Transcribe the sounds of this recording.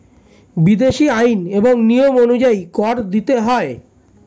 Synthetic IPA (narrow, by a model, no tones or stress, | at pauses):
bid̪eʃiajneboŋnijomonud͡ʑaikɔɾd̪it̪eɦɔe